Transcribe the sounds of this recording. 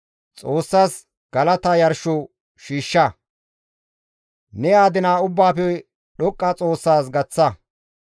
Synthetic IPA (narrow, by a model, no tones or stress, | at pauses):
t͡sʼo̞ːsːaːs | ɡ̥ɐlɐt̪ɐjɐɾʃɔ | ʃiːʃːɐ | nɛjaːd̪ɪnaːʊbːaːfɛ | ɗɔkʼːɐt͡sʼo̞ːsːaːsɡɐt͡sːɐ